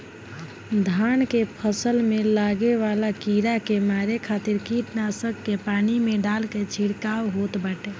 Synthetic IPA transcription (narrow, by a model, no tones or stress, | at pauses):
d̪ʱankepʰəsəlmelaɡeβalakiɾakemaɾekʰat̪iɾkiʈnasəkːepanimeɖalket͡ʃʰiɽkawɦot̪baʈe